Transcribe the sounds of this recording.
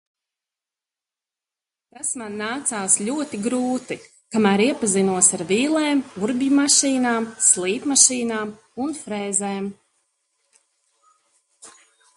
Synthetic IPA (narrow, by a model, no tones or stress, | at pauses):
t̪asmanːaːt̪saːslʲuɔt̪iɡɾuːt̪i | kamæːɾiɛpazinuɔsaɾviːlˠeːmuɾbʲimaʃiːnaːmslˠiːpmaʃiːnaːm | unfɾɛːzeːm